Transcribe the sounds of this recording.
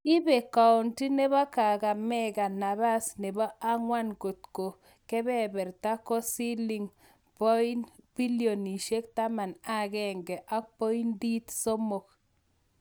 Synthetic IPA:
i˦be˨ka˨ɔ˨nti˦ne˦βa˦ka˨ɡa˨mɛ˦ɡa˨na˨βa˦sne˨ba˦a˦ŋwa˦nko˨t̪̚ko˨ | kɛ˦bɛ˦bɛ˨ɾt̪a˦kɔ˦si˦li˦ŋ | pɔ˦i˦nbi˦ljo˨ni˨ʃe˦k̚t̪a˦ma˨na˦ɡɛ˦ŋɡɛ˨ʔa˦k̚pɔ˦i˦ndi˦t̪so˦mo˨k̚

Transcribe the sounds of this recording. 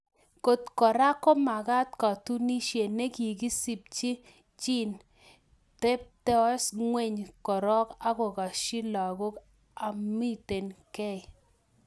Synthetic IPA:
ko˨tkɔ˨ɾa˦kɔ˦ma˨ka˦tkɔ˨tu˦ni˦ʃe˨ne˦ki˨ɡi˦si˨p̚t͡ʃi˦ | t͡ʃi˦n | te˦p̚te˦sŋwe˦˨ɲkɔ˨ɾɔ˦ka˦kɔ˨ka˨ʃi˦la˨ɡo˦k | a˨mi˦te˨nkɛ˦˨i˨

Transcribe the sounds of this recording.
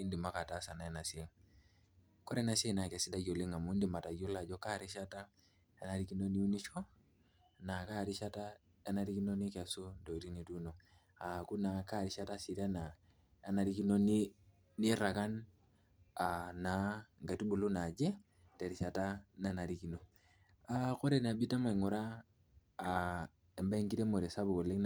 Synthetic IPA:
i˦ndi˨ma˦ka˨ta˦sa˨na˨ɛ˦na˨si˦ŋ | kɔ˦ɾɛ˦na˨se˦na˨kɛ˨si˦da˦d͡ʒo˨li˦ŋa˨mu˦ndi˨ma˨ta˨jo˦la˨d͡ʒɔ˦ka˦ɾi˦ʃa˦ta˦ | e˦na˨ɾi˦ki˦no˦ni˦u˦ni˦t͡ʃɔ˦ | na˨ka˦˨ɾi˦ʃa˦ta˦ | e˦na˦ɾi˦ki˦no˦ni˦kɛ˨su˦ndo˨i˨ɾi˦ni˨tu˦no˨ | a˨ku˦na˨ka˦˨ɾi˨ʃa˦ta˦si˨ta˦naː˨ | na˨ɾi˦ki˦no˦ni˦ | ni˦ɾa˨ka˦n | a˨na˨ŋɡa˨ti˦bu˨lu˦na˨d͡ʒe˦ | te˨ɾi˨ʃa˨ta˦na˨na˨ɾi˦ki˨˦no˦ | a˨ko˦ɾe˦˨na˨bi˦ta˦ma˨ŋo˨ɾaː˦˨ | e˨mba˦ŋɡi˦ɾe˦mo˨ɾe˨sa˦bu˨ko˨le˦kn

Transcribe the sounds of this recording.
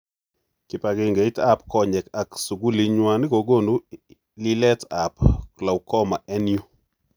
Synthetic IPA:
kɪ˨pa˨ɡɪ˨ŋɡe˨i˦ta˦pkɔ˦ɲɛ˨ka˨ksu˨ɡu˦li˦ɲwa˦nɪ˦ko˨ɡo˦˨nu˦ | li˦lɛ˦ta˨pla˨wkɔ˦ma˨ɛ˦nju˦

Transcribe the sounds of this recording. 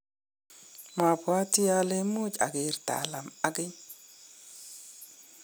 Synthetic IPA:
ma˨pwa˦ti˦ja˦le˦mʊ˦d͡ʒa̰˨ɡɪ˨ɾta̰˨la˨ma˦ɡɪ˦ɲ

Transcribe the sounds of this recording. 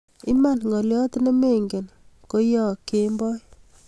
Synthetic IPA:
i˦ma˦˨nŋɡɔ˨ljɔ˦tne˦me˦ŋɡe˨nko˦jɔ˦˨ke˦mbɔ˦j

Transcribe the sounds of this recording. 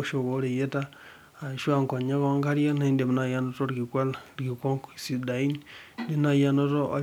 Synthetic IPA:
o˨ʃo˨ɣo˦ɾe˨je˦taː˦˨ | ʃu˦a˦ŋka˨ɲa˦ko˦ŋka˦ɾja˦na˦i˦nde˨mu˦na˨ja˦no˦to˦ɾɡi˨kwa˦laɾɡi˨kwo˦ŋki˨si˨da˨i˦nndi˦na˨ja˦no˦to˦a̰˨

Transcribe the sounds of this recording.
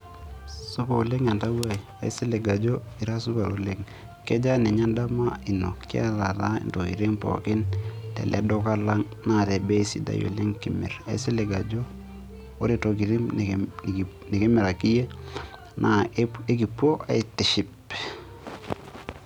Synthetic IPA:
su˦pa˨u˨le˦ŋa˨nta˦wwa˦i˨a˨i˦se˦le˨ɡa˨d͡ʒo˦ | i˨ɾa˦su˦pa˨ɾo˦le˦ŋ | kɛ˦d͡ʒa˦nɛ˨ɲa˦nda˦ma˦i˨no˨ki˦a̰˦ta˨ta˦ḭ˨nto˨ḭ˨ɾe˦ŋpɔ̰˨kɪ˦ntɛ̰˨lʔɛ̰˦do˦ka˦la˦ŋ | na˦˨tɛ˨be˦i˦si˦da̰˨jo̰˨le˦ŋki˨mɛ˨ra˨ḭ˦se˦le˨ɡa˨d͡ʒo˦ | o˦ɾe˨to˨ki˨ɾe˦m˨ | ne˨ki˦mɛ˨ɾa˨ki˦je˦ | nʔa˨e˦ki˨po˦a˨i˦ti˨ʃi˦p

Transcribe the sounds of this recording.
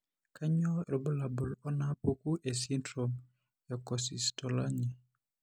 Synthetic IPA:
ka˦ɲɔ˦ɾɔ˨bʊ˦la˨bʊ˨lɔ˦na˦po˦ku˦ʔe˨s̬i˦ntɾo˨m | jɔ˨kɔ˨si˨stɔ˨la˦ɲɛ˨

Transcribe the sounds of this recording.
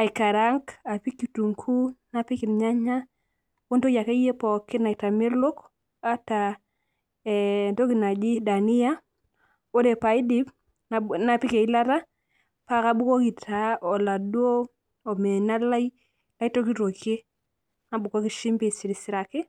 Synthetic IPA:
a˨i˨ka˨ɾa˦ŋka˨pi˦ki˨tu˨ŋkʰu˦na˦˨pi˦ki˨n˨ɲa˦ɲa˦ | o˦nto˦ja˨ke˦je˦pɔ˨kɪ˦na˨i˨ta˨mɪ˦ɾlo˦k | a˦ta˨ | nto˦ki˨na˨d͡ʒi˦da˨ni˦ja˦ | o˦de˨pa˨i˦di˦b | nana˨pi˦ke˨i˦la˦ta˦ | pa˦ka˨bu˦ko˦ki˨tʰa˨˦ɔ˨la˨dwo˦ | ɔ˨me˨na˦la˦i˦ | la˦i˦to˦ki˦to˨ke˦ | na˦bu˨ko˦ki˨ʃi˦mbe˦˨si˨ɾi˨sɪ˨ɾa˨kɪ˦

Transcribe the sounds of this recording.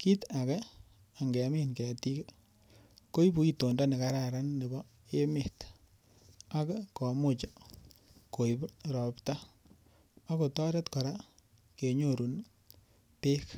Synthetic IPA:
ki˦ta˨kɛ˦ | a˨ŋɡe˨a˨mi˦nke˨ti˦ke˦ | ko˦i˦bu˨i˦to˨nda˦ne˨ka˨ɾa˨ɾa˦nːe˨bɔ˦ | e˦mɪ˨t | a˦kkɔ˨mʊ˦t͡ʃa˨ | ko˨i˨bɾɔ˨pta˦ | a˦ko˨tɔ˦ɾe˦tkɔ˨ɾa˦ | ke˨ɲo˦˨ɾu˨n | pe˦k

